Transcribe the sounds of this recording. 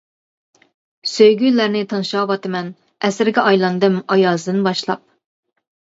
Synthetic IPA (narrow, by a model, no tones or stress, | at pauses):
søjɡʲylæɾnɪt̪ʰɑnʃɑːwɑt̪ɨmɛn | ɛsɾɪɡʲɛʔɑjlˠɑnd̪ɨmɑjɑːzd̪ɨnbɑʃlˠɑp̚